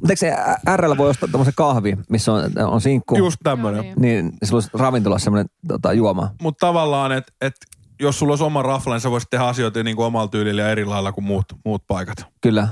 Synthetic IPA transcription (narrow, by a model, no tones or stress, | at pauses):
mut̪eikseæærːælːæʋoiost̪ɑt̪omːosekɑhʋimisːono̰nsiŋkːujust̪t̪æmːøneniːnsilːoˑisrɑʋint̪olɑssemːŏnent̪o̰t̪ɑ̰juomɑ̰mut̪t̪ɑʋɑlːɑːnet̪et̪ | jossulːoˑisomɑrɑflɑniseʋoˑist̪ehæɑsioit̪niːŋkoomɑlt̪yːliljɑeɾilɑilːɑkummuːt̪muːt̪̚pɑikɑ̥t̪kylːæ